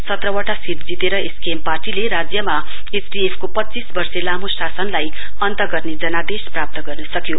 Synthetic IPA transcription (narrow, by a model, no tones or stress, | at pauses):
sʌt̪rʌwaʈasiɾd͡zit̪eɾʌeskemparʈileɾad͡zjʌma | esɖiepʰkopʌtːt͡sisbʌrselamosasʌnlaj | ʌnt̪ʌɡʌrned͡zʌnad̪esprap̚t̪ʌɡʌrnʌsʌkjo